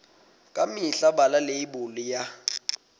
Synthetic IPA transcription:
kʼamiɬabalaleibʊlija

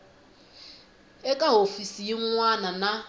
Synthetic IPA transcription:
ekʼaɦofisiiŋʷaːnana

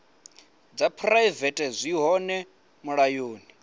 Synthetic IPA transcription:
d͡zapʰraivɛtʼɛzʷiɦɔnɛ | muɺajoːni

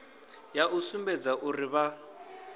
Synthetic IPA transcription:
jaʔusumbɛd͡zaʔuriβa

